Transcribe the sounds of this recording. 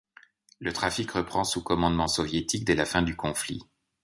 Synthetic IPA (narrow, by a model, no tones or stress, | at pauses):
lət̪χafikʁəpχɑ̃sukɔmɑ̃d̪mɑ̃sɔvjet̪ik̚d̪ɛlafɛ̃d̪ykɔ̃flḭ